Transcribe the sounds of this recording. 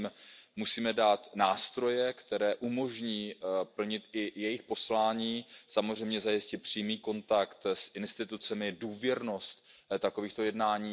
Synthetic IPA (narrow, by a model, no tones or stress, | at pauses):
mmusiːmɛdaːt̪naːst̪ɾo̞jɛkt̪ɛɾɛːʔumo̞ʒɲiːpl̩ɲɪt̪ɪjɛjɪxpo̞slaːɲiːsamozr̝ɛjmɲɛzajɪscɪt̪̚pr̝̥iːmiːko̞nt̪akt̪sʔɪnst̪ɪt̪ut͡sɛmɪduːvjɛɾno̞st̪t̪ako̞viːxt̪o̞jɛdnaːɲiː